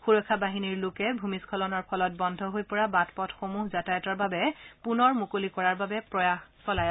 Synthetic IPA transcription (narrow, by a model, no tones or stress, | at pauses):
xuɹɔkʰːabaɦiniɹlokɛbʱumiskʰɔlɔnɔɹpʰɔlɔt̚bɔndʱɔɦojpɔɹabatpɔtxomuɦzatajɔtɔɹbabɛpunɔɹmukolikɔɹaɹbabɛpɹɔjaxsɔlaj